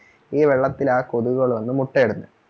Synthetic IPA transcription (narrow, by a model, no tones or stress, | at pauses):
iːʋe̞ɭːɐt̪ːilaːko̞ðuɣɐɭʋɐnːɨmuʈːeɽunːɨ̰